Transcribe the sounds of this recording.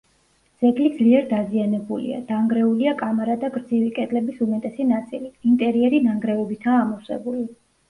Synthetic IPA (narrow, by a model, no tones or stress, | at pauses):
d̪z̥ɛɡlid̪zliɛɾd̪azianɛbulḭa̰d̪̥aŋɡɾɛuliakʼamaɾad̪aɡɾd̪zivikʼɛd̪ʼlɛbisumɛt̪ʼɛsɛnat̪sʼiliːnt̪ʼɛɾiɛɾinaŋɡɾɛɔbit̪ʰaːmɔsɛ̰buli